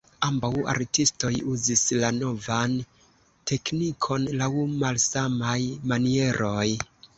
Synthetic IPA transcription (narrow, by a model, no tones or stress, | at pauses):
ambawa̰ɾtisto̞juzislano̞van | tʰe̞knikʰo̞nlawmalsamajmanie̞ɾʔo̞j